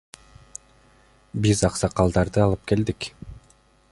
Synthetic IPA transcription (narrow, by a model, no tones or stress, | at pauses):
bizɑqsɑqɑlˠd̪ɑɾd̪ɯɑlˠɯp̚ke̞ld̪ik